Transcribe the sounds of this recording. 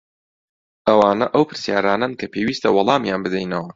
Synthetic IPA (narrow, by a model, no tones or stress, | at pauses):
ʔɐwaːnɐʔɐwpɨɾsjaːɾaːnankʰɐpʰewiːst̪ʰɐwɑlˠɑːmjaːnbɨd̪ɛjnɐwɐ